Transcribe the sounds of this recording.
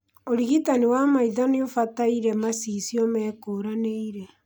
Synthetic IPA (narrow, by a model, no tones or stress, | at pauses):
oɾiɣitaniwamaiðaneofataiɾɛmasiːsiɔmɛːkoːɾaneiɾɛ